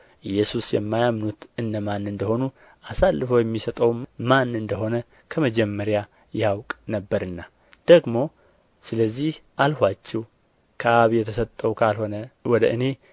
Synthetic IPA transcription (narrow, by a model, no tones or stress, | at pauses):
ʔɨjːɛsusjɛmːajamnut̪ɨnːəmanːɨnd̪əho̞nu | asalːɨfəwjɛmːisət̪ʼəwmanːɨnd̪əɦo̞nə | kʰəməd͡ʒɛmːəɾja | jɛawkʼnəbːəɾɨnːa | d̪̥əɡmo̞ | sɨləzːihʔalhʷat͡ʃːɛw | kʰəaβjɛt̪ʰəsət̪ʼːəwkʰalho̞nəwɔd̪əʔɨne̞